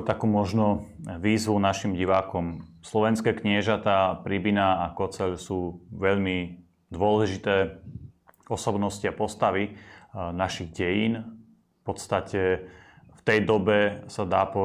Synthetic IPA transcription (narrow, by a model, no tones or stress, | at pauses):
t̪akuːmɔʒnɔʋiːzʋunaʃimɟiʋaːkɔm | slɔʋɛnskɛːkɲɪɛʒat̪aːpɾibinaakɔt͡sɛʎsuːʋɛʎmi | d̪ʊɔlɛʒit̪ɛː | ɔsɔbnɔsciapɔst̪aʋinaʃiɣɟɛjiːn | fpɔt̪st̪acɛ | ft̪ɛjd̪ɔbɛsad̪aːpɔ